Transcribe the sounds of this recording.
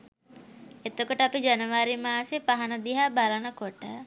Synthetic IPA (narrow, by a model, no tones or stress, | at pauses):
et̪okoʈəapid͡ʒanəʋaɾimaːsepaɦanəd̪iɦabalənəkoʈə